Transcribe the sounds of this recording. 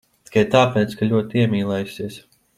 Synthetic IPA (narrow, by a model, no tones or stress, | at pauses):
t̪i̥kajt̪aːpʲɛːt̪skalʲuɔt̪iɛmʲiːlˠɛjsiɛs